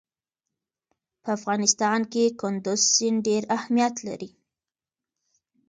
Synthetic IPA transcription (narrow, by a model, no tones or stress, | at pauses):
pəafɣɑnɪst̪ɑnkekʊnd̪ʊzsɪnɖeɾahmijat̪la̰ɾi